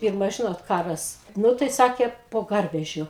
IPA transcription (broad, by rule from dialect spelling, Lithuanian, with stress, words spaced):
ˈpʲɪrmɐ ˈʒʲɪnoːt ˈkɑːrɐs ˈnʊ tɐɪ ˈsɑːkʲeː poː ˈɡɐrʲʋʲɛʒʲʊ